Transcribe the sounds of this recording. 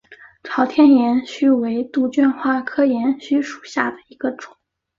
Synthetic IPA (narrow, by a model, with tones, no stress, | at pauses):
ʈ͡ʂʰɑ˧˥ʊt̪ʰjɛ˥njɛ˧˥nɕy˥we˧˥ɪt̪u˥˧t͡ɕɛ˥˧nxwa˥˩kʰɤ˥jɛ˧˥nɕy˥ʂu̥˨˩ɕja˥˩d̪ə˩i˧˥ɡ̥ə˧ʈ͡ʂʊ˨˩˦ŋ